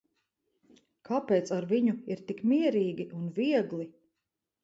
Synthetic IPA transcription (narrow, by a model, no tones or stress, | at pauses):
kʰapɛːt̪saɾviɲuiɾt̪ikmiɛɾiːɡʲiʔunviɛɡlˠi